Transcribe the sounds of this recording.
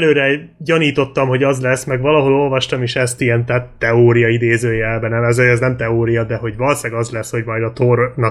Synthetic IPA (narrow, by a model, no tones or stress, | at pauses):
løːɾɛɟɒniːt̪o̞t̪ːɒmho̞ɟɒzlɛsmɛɡʋɒlɒɦo̞lo̞lvɒʃt̪ɒmeːʃɛst̪ijɛnt̪ɛt̪ɛoːɾijɒid̪eːzøːjɛlbɛnɛmɛzøɛznɛmt̪ɛoːɾijɒd̪ɛɦo̞ɟvɒlsɛɡɒzlɛsho̞ɟmɒjd̪ɒt̪ornɒ